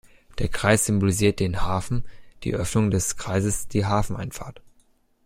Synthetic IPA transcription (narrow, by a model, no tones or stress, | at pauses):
d̥eːɐkʁ̥aɪsz̥ʏmboliziːɐt̚d̥eːnhaːfn̩d̥ḭːʔœfnʊŋdɛskʁ̥aɪzəsd̥iːɦaːfn̩ʔaɪnfa̰ɐt